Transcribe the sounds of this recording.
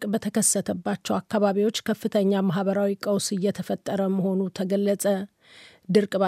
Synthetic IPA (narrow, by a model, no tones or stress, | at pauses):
kʼbət̪ʰəkʰəsːət̪ʰəbːat͡ʃːɛwakʰːaβaβiwo̞t͡ʃːkʰəfːɨt̪ʰəɲːamaɦβəɾawikʼəwsɨjːɛt̪ʰəfət̪ʼːəɾəməho̞nut̪ʰəɡəlːəsʼə | d̪ɨɾkʼβa